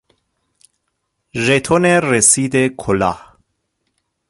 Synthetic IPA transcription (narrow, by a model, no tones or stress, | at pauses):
ʒet̪ʰoneresiːd̪ekʰolɑ̰ːh